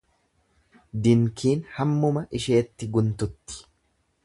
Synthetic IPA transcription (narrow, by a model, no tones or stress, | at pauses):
d̪ɪŋkiːnhɐmːʊmɐʔɪʃeːt̪ːɪɡʊnt̪ʊt̪ːɪ̥